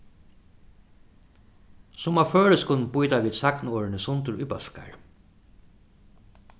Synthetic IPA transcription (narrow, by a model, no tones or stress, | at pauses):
sʊmaføːɻəskʊnpujt̪aʋiːd̪saknɔːɹɪnəsʊnt̪ʊɾʊ̰jpœɬka̰ɹ